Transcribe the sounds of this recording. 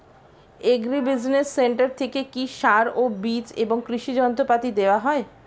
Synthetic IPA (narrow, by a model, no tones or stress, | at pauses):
eɡɾibid͡ʑnesːeɳʈaɾt̪ʰekekiʃaɾobit͡ɕeboŋkɾiʃid͡ʑɔnt̪opat̪id̪eoaɦɔe